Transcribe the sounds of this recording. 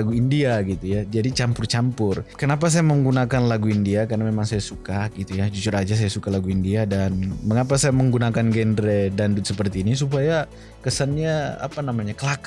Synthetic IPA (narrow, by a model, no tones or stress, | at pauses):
aɡuindiaɡit̪ujad͡ʒadit͡ʃampʊrt͡ʃampʊrkənap̬as̬ajaməŋɡunakanlaɡuindiakarnamemaŋsajasukaɡit̪ujad͡ʒut͡ʃʊrad͡ʒas̬ajasukalaɡuindiadanməŋap̬asajaməŋɡunakanɡɛndɾɛdandʊt̪səpərt̪iːnis̬up̬aja | kəsanɲaa̰panamaɲakəlak